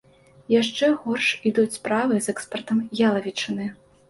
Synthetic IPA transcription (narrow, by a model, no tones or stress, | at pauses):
jaʂt͡ʂɛɣɔrʂid̪ut͡sʲspɾavɨzɛkspɐrt̪ɐmjalˠɐvʲit͡ʂɨnɨ